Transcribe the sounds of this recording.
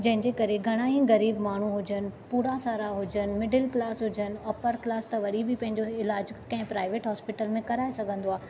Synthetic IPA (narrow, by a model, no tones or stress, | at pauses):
d͡ʑɐ̃ɦɪ̃ɲd͡ʑeːkɐɾeɡʱɐɽ̃aːɦĩɣɐɾiːbmaːɳ̤uɦʊd͡ʑənɪ̆puːɽasaːɾaɦʊd͡ʑənɪ̆mɪɖɪlklaːsɦʊd͡ʑənɪ̆ɔpəɾklaːst̪ɐʋɐɗibɪpɐ̃ɦɪ̃ɲd͡ʑoɪlaːd͡ʑkɐ̃ɦɪ̃pɾaːɪʋeːʈɦɔːspɪʈəlmẽkɐɾaːesɐɡʱə̃nd̪oaːɦ